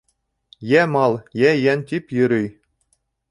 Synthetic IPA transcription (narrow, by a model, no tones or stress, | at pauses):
jæmɑlˠjæjænʲt̪ʲipʲjɯɾʲɘ̆j